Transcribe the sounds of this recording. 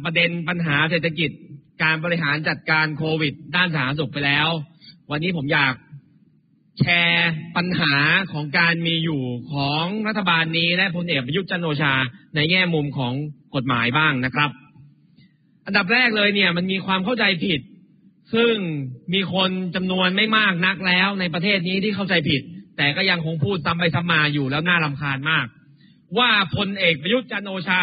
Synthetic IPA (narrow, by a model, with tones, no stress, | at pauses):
pɾa˧de˧npa˧nɦaː˩˦seː˨˩t̪ʰːa˧ki˨˩t̪̚kaː˧nbɔː˧ɾi˦˥ɦaː˩˦nt͡ɕa˨˩t̪̚kaː˧nkʰoː˧wi˨˩t̪̚daː˥˩nsaː˩aː˨˦˥su˨˩k̚pa˧jlɛː˦˥wwa˧nːiː˦˥pʰo˩˦mjaː˨˩k̚ | t͡ɕʰɛː˧pa˧nɦaː˩˦kʰɔː˩˦ŋkaː˧nmiː˧juː˨˩kʰɔː˩˦ŋɾa˦˥t̪ʰːa˧baː˧nːiː˦˥lɛ˦˥ʔpʰo˧nʔeː˨˩k̚pɾa˧ju˦˥t̪̚t͡ɕa˥nʔoː˧t͡ɕʰaː˧na˧jŋɛː˥˩mu˧mkʰɔː˩˦ŋko˨˩t̪̚ma̰ː˩˦jbaː˥˩ŋna˦˥kʰɾa˦˥p̚ | ʔa˧nda˨˩p̬̚ɾɛː˥˩k̚lɤː˧jni˥˩ɐma˧nmiː˧kʰwaː˧mkʰa˥˩wt͡ɕa˧jpʰi˨˩t̪̚ | sɯ˥˩ŋmiː˧kʰo˧nt͡ɕa˧mnu˧ənma˥˩jmaː˥˩k̚na˦˥k̚lɛː˦˥wna˧jp̬ɾa˧t̪ʰeː˥˩t̪̚niː˦˥t̪ʰiː˥˩kʰa˥˩wt͡ɕa˧jpʰi˨˩t̪̚ːɛː˨˩kɔː˥˩ja˧ŋkʰo˧ŋpʰuː˥˩t̪̚sa˦˥mpa˧jsa˦˥p̚maː˧juː˨˩lɛː˦˥wnaː˥˩la˧mkʰaː˧nmaː˥˩k̚ | waː˥˩pʰo˧nʔeː˨˩k̚pɾa˧ju˦˥t̪̚t͡ɕa˧nʔoː˧t͡ɕʰaː˧